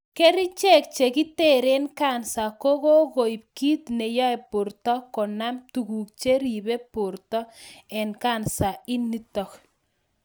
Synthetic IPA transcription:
ke˦ɾi˦t͡ʃe˦˨k̚t͡ʃe˨ki˦te˦˨ɾe˦nka˦˨nsa˨ko˦ko˦ɣo˨i˨p̚ki˦tne˨jɔ˦e˨pʊ˨ɾtɔ˦kɔ˨na˦mtu˨ku˨k̚t͡ʃe˦ɾi˨βe˦pʊ˨rtɔ˦ɛ˨nka˦˨nsa˨i˦nːi˦tɔ˨k

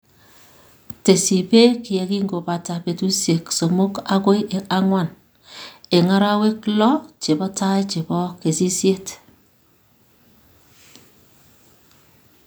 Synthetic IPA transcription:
te˨si˨pe˦kɪ˨jɛ˨ki˦ŋɡo˨pa˨ta˨pe˨tu˦sje˨kso˨mo˦ka˦ko˦jʔe˨a˦ŋwa˨n | e˨ŋa˦ɾa˦we˦klɔ˦t͡ʃe˨bɔ˦tʰa˦jt͡ʃe˨bɔ˦ke˨si˦sje˦t

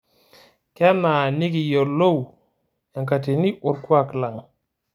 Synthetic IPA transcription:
kɛ˦na˨ni˦ki˨jo˨lo˦w | ja˨ŋka˨te˨ni˦ʔo˨ɾkwa˦kla˨ŋ

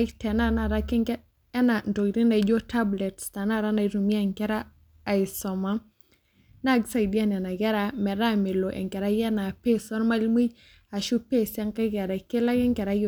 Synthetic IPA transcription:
tɛ˨na˦na˨ɾa˦kɛ˦ŋkɛ | ɛ˦na˨nto˨kɾi˦na˨id͡ʒo˦ta˦blɛ˨tsta˨na˦ɾa˦na˨iɾu˨mi˦a˦ŋkɛ˦ɾaː˦˨ | ɪ˨sɔ˨ma˦ | na˦ɡsa˦˨idi˦a˦nɛ˨na˨ɡɛ˦ɾamɛ˨ɾa˦mɪ˨lo˨ʔɛ̰˨ŋkɛ˨ɾa˦jɛ˦na˨pe˦sɔ˦ɾma˦lmi˦ɟ | a˨ʃu˦pe˦sa˦ŋka˦ɡɛ˨ɾa˨ke˦la˦kɛ˦ŋkɛ˨ɾaj

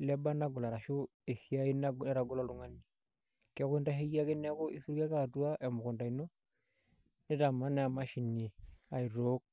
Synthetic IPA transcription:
lɛ˦ba˦na˦ɡu˨la˨ɾa˨ʃu˦ | e˨si˦a˦i˦na˦˨ɛ˦ɾa˨ɡu˦la˨lu˨˦ŋa˦nːi˨ | kɛ˦ki˦nda˦ɦe˦ja˦ki˦nɛ˦ko˦ʔi˦su˦ɾka˦ka˦˨du˦a˦ʔɛ˨mu˨ku˨nda˨i˨no˦ | nɛ˦da˨ma˦nɛ˦a˨ma˦ʃi˨nːi˨a˨i˨ɾo˦k̚

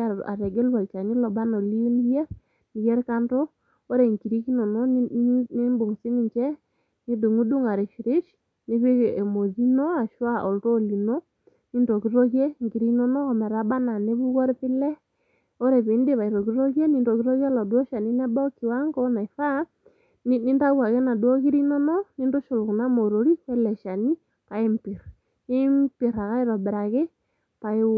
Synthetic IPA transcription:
a˨a̰˨ɾɛ˨ɡe˦lwa˨lt͡ʃa˨ɲi˦lɔ˨ba˦no˨li˦ni˦jɛ˦ | ni˨jɛ˦ɾka˦ndɔ˦ | o˦ɾɛ˨ŋki˨ɾi˦ki˦nɔ˨nɔ˦n˦ne˦mbʊ˨ŋsi˦ni˨t͡ʃɛ˦ | ni˦du˨ŋu˦du˦ŋa˨ɾe˨ʃi˨ɾɪ˦ʃ | ne˦βe˦e˨mo˨zi˦no˦a˨ʃwa˦ʔo˨lto˦˨li˨no˦ | ni˦ndo˨ki˦ɾo˦kjɛ˦˨ŋki˨ɾi˦nɔ˦nɔ˦ɔ˨mɛ˨ɾa˨˦ba˦na˨ne˦βu˦kɔ˦ɾpɪ˦lɛ˦ | o˦ɾɛ˨βe˨nde˦βa˨i˨ɾɔ˨ɣi˦ɾɔ˦ɣjɛ˦ni˦˨ndɔ˨ki˦ɾɔ˦ɣɛ˦lɔ˨dɔ˦ʃa˨ni˦na˦ba˦ɔ˦ki˨wa˦ŋɡɔ˦na˨i˨fa˦ | ni˦nda˦ɣwa˨ɣɛ˦na˨dwɔ˦ɣi˦ɾi˦nɔ˦nɔ˦ni˦ndo˦ʃo˨lku˨na˦mo˨ɾo˨ɾi˦wɛ˦lɛ˨ʃa˨ni˦ | pa˨e˦mpi˨ɾ | e˦mpi˨ɾa˨ɣa˦i˦ɾɔ˨bɛ˨ɾa˨ɣe˦ | pa˨e˦

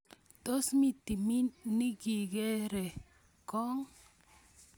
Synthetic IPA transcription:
t̪o˦smi˨t̪i˨mi˦nni˦ɡi˨ɡe˦ɾe˨ | ko˦ŋ

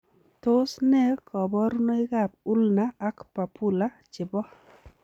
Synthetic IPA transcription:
to˦snɛ˦kʰɔ˨bɔ˦ɾno˦ɪ˦ka˦˨p̚u˦lnaː˨˦kpa˨pu˦la˦ | t͡ʃɪ˨bɔ˦

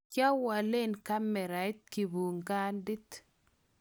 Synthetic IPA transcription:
ka˦wa˨le˦nka˦mɛ˨ɾa˨ɪ˦t̪̚ki˨bu˨ŋɡa˦ndɪ˦t̪

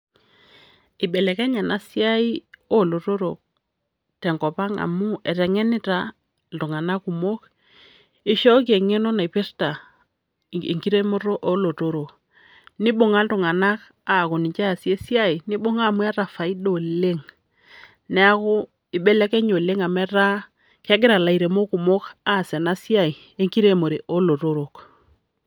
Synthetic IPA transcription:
i˨ɓɛ˨lɛ˨kɛ˦ɲa˨na˨si˦a˦i˦o˦lo˨to˦ɾo˨ | tɛ˨ŋkɔ˨pa˦ŋa̰˨mu˦ɛ˨tɛ˨ŋɛ˦ni˦ta˦ | ltu˨ŋa˨na˦ku˨mo˦k | i˦ʃo˦k̬e˨ŋe˦no˦na˨pe˦rta˨ | ḭ˨ŋki˦ɾe˦mo˦ɾo˦ʔo˦lo˨to˦ɾo˨ | ni˦ɓo˨ŋa˦ltu˨ŋa˨na˦k | a˨ko˨ni˨ɲt͡ʃa˦˨si˦e˦si˦a˦i˨ni˦ɓo˦ŋa˦˨mu˦a˦ɾa˨fa˨i˦do˨le˦ŋ | nɛ˦a˦kʊ˦ | i˨ɓɛ˦lɛ˦kɛ˦ɲo˨le˦ŋa˨mɛ˦ɾa˦ | kɛ˦ɡɪ˦ɾa˨la˨i˨ɾe˨mo˦ku˨mo˦ka˦˨sɛ˨na˦si˦a˦˨i˨ | e˦ŋki˦ɾe˦˨mo˨ɾe˨ʔo˦lo˨to˦ɾo˨k

